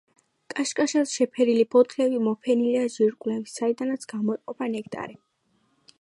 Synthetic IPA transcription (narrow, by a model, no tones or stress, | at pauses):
kʼaʃkʼaʃasʃɛpʰɛɾilibʰɔt̪ʰlɛvimɔpʰɛniliaʒiɾkʼlɛvisaid̪anat̪sʰɡ̥amɔɛqʼɔpʰanɛkʼt̪ʼa̰ɾi